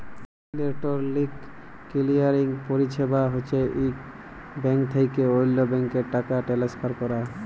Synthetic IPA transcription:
leɾʈoɾlikː | ilijaɾiŋpoɾit͡ɕʰebaɦot͡ɕʰeʔi | bɛŋkt̪ʰejkeojlːobɛŋkeɾʈakaʈelespʰaɾkɔɾa

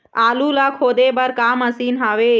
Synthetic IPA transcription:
aːlulakʰoːd̪ebəɾkaməsinɦaʋe

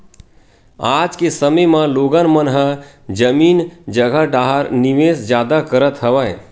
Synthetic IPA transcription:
aːd͡ʒkesəməjmãloːɡənmənɦə | d͡ʒəmiːnd͡ʒəɡʱəɖaːɦəɾniʋeːsd͡ʒjaːd̪akəɾət̪ɦəʋəj

